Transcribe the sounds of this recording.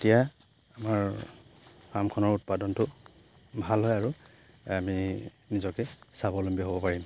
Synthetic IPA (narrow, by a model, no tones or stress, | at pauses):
etija | amaɹ | kamkʰɔnɔɹut̚padɔntʊ | bʱalɦɔjaɹu | ami | nizɔkɛsabɔlɔmbiɔɦobɔpaɹim